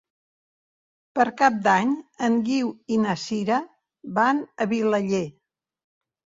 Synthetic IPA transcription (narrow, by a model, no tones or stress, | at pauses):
pəɾkap̚d̪aɲəŋɡiwinəsiɾə | βanəβiləʎe